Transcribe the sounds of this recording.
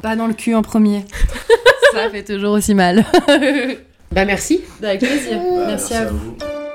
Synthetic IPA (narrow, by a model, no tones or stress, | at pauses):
pad̪ɑ̃ləkʲʰyɑ̃pχəmje | səlafɛt̪uʒuʁosimal | bamɛʁsid̪avɛk̚pleziːʁmɛʁsiavu